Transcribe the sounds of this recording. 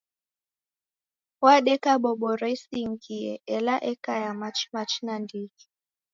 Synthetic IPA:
waɗɛkaɓɔɓɔɾɛisiŋɡiɛ̰ɛlaʔɛkajamat͡ʃmat͡ʃnandiki̥

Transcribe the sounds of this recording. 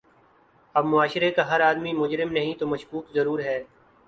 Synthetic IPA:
ɐbmʊaːʃɪɾekaɦɐɾaːd̪mimʊd͡ʒɾɪmnɐɦĩt̪omɐʃkuːkzɐɾuːɾɦɛː

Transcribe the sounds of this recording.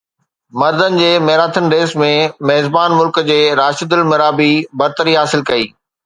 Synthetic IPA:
mɐɾd̪ənɪ̆d͡ʑeːmɐɦɾaːt̪ʰənɾeːsmẽmɐɦɪzbaːnmʊlkd͡ʑeːɾaːʃəd̪ɪlmɪɾaːbibɐɾt̪əɾiɦaːsɪlkɐiː

